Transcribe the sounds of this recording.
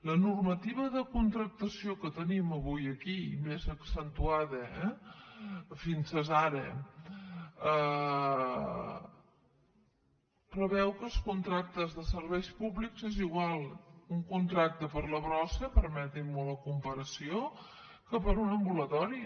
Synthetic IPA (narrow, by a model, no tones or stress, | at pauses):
lənurmət̪iβəðəkunt̪ɾək̚t̪əsiokət̪əniməβujəkimezəksənt̪uaðəɛ | finsəzaɾə | ə | pɾəβɛwkəlˠskunt̪ɾak̚t̪əzðəsəɾβɛjspuβlikzeziɣwalˠuŋkunt̪ɾak̚t̪əpəɾləβɾɔsəpəɾmɛt̪immuləkumpəɾəsio | kəpəɾunəmbulət̪ɔɾi